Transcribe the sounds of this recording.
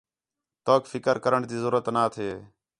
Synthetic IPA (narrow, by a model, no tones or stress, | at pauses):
t̪oːkfɪkəɾkəɾəɳd̪iːzʊɾət̪naːt̪ʰeː